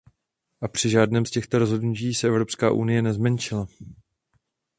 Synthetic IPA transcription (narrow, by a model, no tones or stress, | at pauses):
ʔapr̝̥ɪʒaːdnɛːmscɛxt̪o̞ɾo̞zɦo̞dnuciːsɛɛvɾo̞pska̰ːʔunɪjɛnɛzmɛnt͡ʃɪla